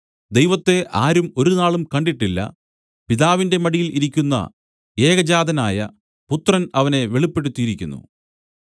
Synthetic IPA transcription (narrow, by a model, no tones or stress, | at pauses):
d̪e̞jʋɐt̪ːe̞ʔaːɾumo̞ɾunaːɭumkɐɳɖiʈːilːɐ̰ | piðaːʋinde̞mɐɽijiliɾikʲːunːɐ̰ | e̞ːɡɐd͡ʑaːd̪ɐnaːjɐ̰ | put̪ːrɐnɐʋɐne̞ʋeɭipːe̞ɽut̪ːiiɾikʲːunːṵ